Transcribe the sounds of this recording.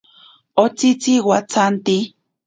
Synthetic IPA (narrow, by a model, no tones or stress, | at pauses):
ot͡sit͡siwat͡sant̪i